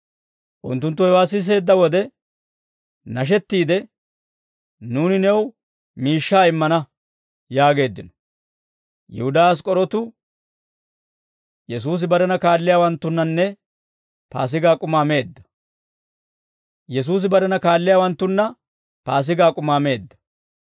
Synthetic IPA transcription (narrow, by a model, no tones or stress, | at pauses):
ʔʊnt̪ːʊnt̪ːʊhɛwaːs̬ːɪs̬e̞ːd̪ːɐwɔd̪ɛ | nɐʃ̬ɛt̪ːiːd̪ɛ | nuːnɪnɛw | miːʃːaːɪmːɐnɐ | jaːɡe̞ːd̪ːɪnɔ | jɛ̰hʊd̪aːs̬kʼɔɾɔt̪ʊ | jɛs̬uːs̬ɪbɐɾɐnɐkaːlːɪjaːwɐnt̪ːʊnːɐnːɛ | pa̰ːs̬ɪɡaːkʼʊmaːme̞ːd̪ːɐ̥ | jɛs̬uːs̬ɪbɐɾɐnɐkaːlːɪjaːwɐnt̪ːʊnːɐ | paːs̬ɪɡaːkʼʊmaːme̞ːd̪ːɐ̥